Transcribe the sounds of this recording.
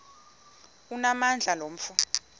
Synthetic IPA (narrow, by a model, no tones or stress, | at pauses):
unamand͡ɮʱalom̩fu